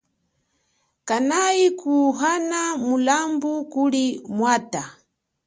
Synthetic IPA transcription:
kanaikuɦanamulambukulimwaːta

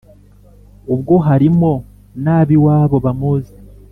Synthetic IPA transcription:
ubɡo̞ɦaɾimo̞ | naːβiwaːβo̞βamuze

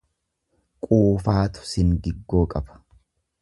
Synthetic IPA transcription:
kʼuːfaːt̪ʊ̥sɪŋɡɪɡːo̞ːkʼɐbɐ̥

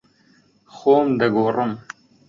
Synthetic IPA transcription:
xoːmd̪ɐɡoːrɨm

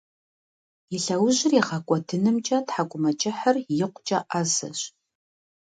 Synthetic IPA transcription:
jɪɬɐwʊʑɪriʁɑkʷʼɔdʰɨnɨmt͡ʃʼɐtħakʷʼʊmɐt͡ʃʼɪħərjɪqʷʰʼt͡ʃʼɐʔazɐ̰ɕ

